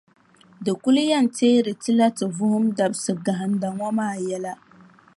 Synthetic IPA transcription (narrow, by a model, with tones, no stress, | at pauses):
dɨ˨kʊ˦lu˦ja˦˨n˨teː˦ɾɨ˨tɨ˦la˦tɨ˨vʊ˦hʊ˦mda˨bsɨ˨ɡa˨ɦa˨n˦da˨ŋʷa˦maː˦˨jɛ˦la˦